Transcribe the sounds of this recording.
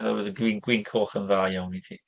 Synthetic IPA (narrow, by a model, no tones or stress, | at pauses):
a̰wəðəɡwiːnɡwiŋkʰoːχənðaːjawnitʰiː